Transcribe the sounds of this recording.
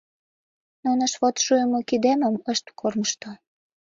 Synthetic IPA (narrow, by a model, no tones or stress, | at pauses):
nunəʃβot̪ʃujəmokid̪eməməʃt̪korməʃt̪o